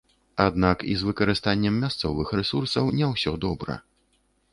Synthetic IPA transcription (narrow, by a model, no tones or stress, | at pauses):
ad̪nakḭzvɨkɐɾɨst̪anʲːɛmːʲast̪sɔvɨxɾɛsursɐwnʲɛwsʲɔd̪ɔbɾɐ̰